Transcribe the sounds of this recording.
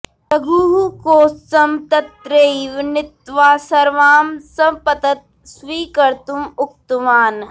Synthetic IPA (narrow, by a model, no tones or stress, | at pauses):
tɐɡʱuːɦukoːsɐmt̪ɐt̪ɾeʋnɪt̪ʋaːsɐɾʋaːmsɐpɐt̪ɐt̪̚ | sʋiːkɐɾt̪umʊk̚t̪umaːn